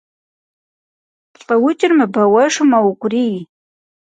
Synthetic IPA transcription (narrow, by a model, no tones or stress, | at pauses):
pɬʼɐwʊt͡ʃʼɪrmɨbɐwɐʂɨmɐwkʷʼʊrij